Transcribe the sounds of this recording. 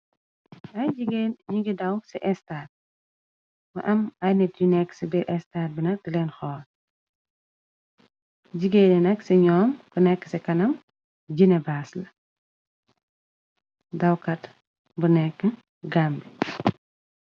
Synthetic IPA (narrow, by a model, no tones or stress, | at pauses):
ɐjd͡ʒiɡeːnɲiɡidɐwsɛʔɛstaːt̚ | mɐ̰ʔɐmɐjnɛtjunɛkːsibɛʔɛstaːt̚binɐtilɛnxɔːl | ɟiɡeːnɛnɐksɛɲɔːmb̥unɛkːə̥sɛkɐnɐm | d͡ʒinɛbaːslɐ | dɐwkɐt | bunɛkːə | ɡambi